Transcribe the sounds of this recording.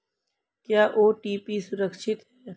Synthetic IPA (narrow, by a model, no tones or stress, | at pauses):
kjaːʔoːʈiːpisʊɾəkʃɪt̪ɦɛː